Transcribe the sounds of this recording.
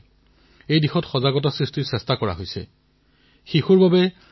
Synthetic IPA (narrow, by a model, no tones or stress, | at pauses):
ejdixɔtxɔzaɡɔt̬asɹistisɛstakɔɹa̰ɦojsɛ̰ | xixuɹbabɛ